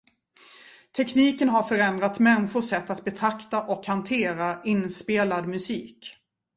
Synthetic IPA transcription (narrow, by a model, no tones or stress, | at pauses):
t̪ʰɛkniːkənɦaɾfœɾɛnd̪ɾat̪mɛnːɪɧʊʂɛt̪ːat̪̚bɛt̪ʰɾakt̪aʔɔkhant̪ʰeːɾaɪnːspeːlad̪mɵsiːk